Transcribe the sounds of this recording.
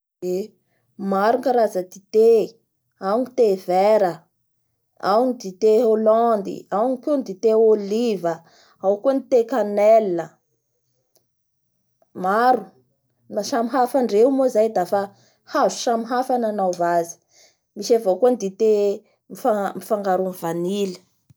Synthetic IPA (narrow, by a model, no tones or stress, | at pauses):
e | maɾuŋkaɾazəd̪it̪e | awnit̪evɛɾə | a̰wnid̪it̪eolɔnd̪ḭawnikend̪it̪eolivə | awkunit̪ekanɛlːə | maɾu | naʃamiɦafaɳɖ͡ʐewmozajd̪afa | hazu̥ʃamiɦafananawvazi̥ | miʃavakonid̪it̪e | mifamifaŋɡaɾunivanili̥